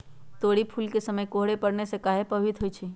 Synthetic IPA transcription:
t̪oːɽipʰulkesəməjkoɦɽepəɽnesekaːɦepɐwit̪ɦoːit͡ʃʰi

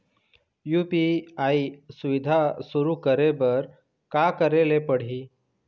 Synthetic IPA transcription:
jupiaisuʋid̪ʱasuɾukəɾebəɾ | kakəɾelepəɽ̤iː

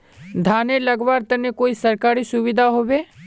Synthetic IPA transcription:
d̪ʱaːnelɐɡʋaːɾt̪ɐnekoːisɐɾkaːɾisʊʋɪd̪ʱaɦoːʋeː

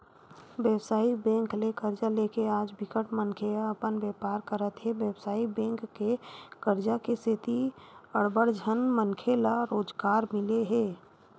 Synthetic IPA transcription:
ʋjɛwsaːibɛ̃ːŋklekəɾd͡ʒalekeaːd͡ʒbɪkəʈmənkʰeəpənʋɛpaːɾkəɾət̪ɦeʋjəbsaːibɛ̃ːŋkːekəɾd͡ʒakeset̪iəɽbəɽd͡ʒʱənmənkʰelaɾoːd͡ʒɡaːɾmɪleɦeː

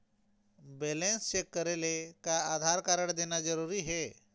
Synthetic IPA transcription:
belenst͡ɕekːəɾelekaad̪ʱaɾkaɾəɳd̪enad͡zəɾuɾiːɦe

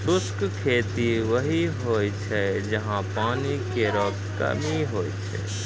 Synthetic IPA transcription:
sʊskkʰet̪iʋəɦiɦojt͡ʃʰɛd͡ʒəɦãpaːnikeɾɔk | kə̰miɦojt͡ʃʰɛ̰

